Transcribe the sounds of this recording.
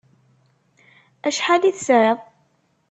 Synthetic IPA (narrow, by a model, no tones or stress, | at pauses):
æʃħaliθsəɾəðˤ